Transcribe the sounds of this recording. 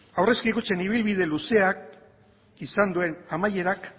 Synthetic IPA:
awre̞skikut͡se̞niβ̞ilβið̞e̞luse̞ak̚ | isand̪ue̞namaje̞ɾak

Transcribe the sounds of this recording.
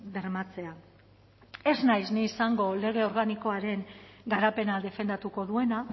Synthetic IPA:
d̪e̞ɾmat͡se̞a | e̞znajzniːsaŋɡo̞le̞ɣ̞e̞o̞ɾɣaniko̞aɾe̞ŋɡaɾape̞naðe̞fe̞nd̪at̪uko̞ðue̞na

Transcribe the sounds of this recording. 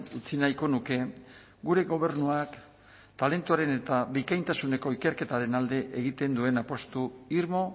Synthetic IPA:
ut͡sinajko̞nuke̞ | ɡuɾe̞ɣo̞β̞e̞ɾnuak | t̪ale̞nt̪uaɾe̞ne̞t̪aβikajnt̪asune̞ko̞ike̞ɾke̞t̪aɾe̞nald̪e̞ʔeɣ̞it̪e̞nd̪ue̞napo̞st̪uiɾmo̞

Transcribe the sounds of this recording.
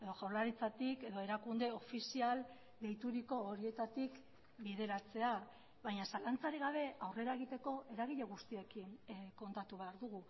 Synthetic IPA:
e̞ðo̞ʝawlaɾit͡sat̪ike̞ðo̞e̞ɾakund̪e̞o̞fisial | d̪e̞jt̪uɾiko̞ːɾie̞t̪at̪ik | biðe̞ɾat͡se̞a | βajɲasalant͡saɾiɣaβ̞e̞awre̞ɾae̞ɣ̞it̪e̞ko̞ʔe̞ɾaɣ̞iʎaɣ̞ust̪ie̞kinko̞nt̪at̪uβ̞e̞aɾðuɣu

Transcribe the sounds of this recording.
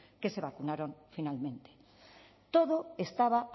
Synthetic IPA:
ke̞se̞βakunaɾõɱfinalmẽ̞nt̪e̥ | t̪o̞ðoe̞st̪aβa

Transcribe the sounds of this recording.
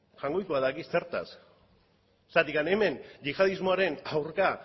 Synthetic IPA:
ʝaŋɡojkuaðaɣiseɾt̪a̰s | sat̪ikaneme̞nʝixaðizmoaɾe̞nawɾka

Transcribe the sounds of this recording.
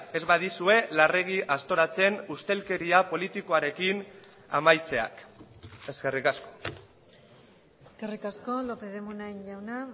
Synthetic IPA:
e̞zβaðisue̞lare̞ɣ̞iʔast̪o̞ɾat͡se̞nust̪e̞lke̞ɾiapo̞lit̪iko̞aɾe̞kin | a̰majt͡se̞a̰keske̞rikasko̞ | eskerikasko̞lopeðemunaeɲʎawna

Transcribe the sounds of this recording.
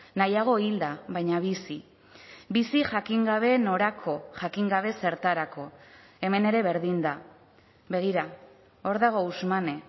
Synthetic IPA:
najaɣ̞o̞ild̪aβajɲaβisi | bisiʝakiŋɡaβ̞e̞no̞ɾakʰo̞ʝakiŋɡaβ̞e̞se̞ɾt̪aɾako̞ | e̞me̞ne̞ɾe̞βe̞ɾðind̪a | βe̞ɣ̞iɾa | o̞ɾðaɣ̞o̞uzmane̞

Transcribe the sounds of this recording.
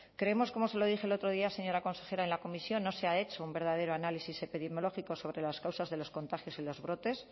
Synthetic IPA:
kɾeemo̞sko̞mo̞se̞lo̞ðixelo̞t̪ɾo̞ðiase̞ɲo̞ɾako̞nse̞xe̞ɾaenlako̞misjo̞nːo̞seae̞t͡ʃo̞umbe̞ɾð̞að̞e̞ɾoanalisise̞piðemjolo̞xiko̞so̞β̞ɾe̞laskawsazðe̞lo̞sko̞nt̪axjo̞silo̞zβɾo̞t̪e̞s

